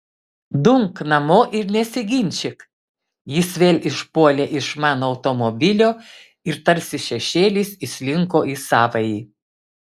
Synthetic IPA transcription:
d̪ʊŋknɐmoːʔɪɾnʲɛsʲɪɡʲɪnʲt͡ʃʲɪk | jɪsʋʲeːlʲɪʃpuɔlʲeːʔɪʃmɑːnoːɐʊt̪omobʲɪlʲoː | ɪɾt̪ɐɾʲsʲɪʃʲɛʃʲeːlʲiːsiʃʲlʲɪŋkoːʔisɑːʋɐjiː

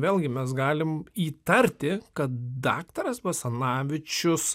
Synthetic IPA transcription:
ʋʲeːlˠʲɡʲɪmʲɛs̬ɡɑːlʲɪmiːt̪ɐɾʲt̪ʲɪkɐt̪̚d̪ɑ̰ːkt̪ɐɾɐsbɐsɐnɑːʋʲɪt͡ʃʲʊs

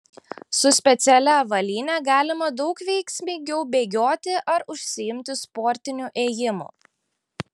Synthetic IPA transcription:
sʊsʲpʲɛt̪sʲɛlʲɛʋɐlʲiːnʲɛɡɑːlʲɪmɐd̪ɒʊkʋʲɛɪksʲmʲiːɡʲɛʊbʲeːɡʲoːt̪ʲɪʔɐɾʊʃʲsʲɪjɪmʲt̪ʲɪspɔɾʲt̪ʲɪnʲuːˑʔeːjɪmʊ̰

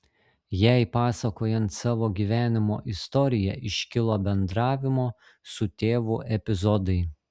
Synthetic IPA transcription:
jæɪpɑːsɐkoːjɛnt̪sɑːʋoːɡʲiʋʲæːnʲɪmo̰ːʔɪst̪ɔɾʲɪjɛʔɪʃʲkʲɪlˠoːbʲɛnd̪ɾɑːʋʲɪmoː | sʊt̪ʲeːʋuːʔɛpʲɪzɔd̪ɐɪ

